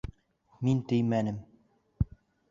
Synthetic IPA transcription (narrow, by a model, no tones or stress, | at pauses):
mint̪ɵ̆jmænɘm